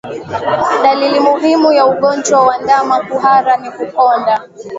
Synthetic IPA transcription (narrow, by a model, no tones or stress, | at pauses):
ɗalilimuɦimujauɠɔnd͡ʒwawandamakuɦaɾanikukɔnda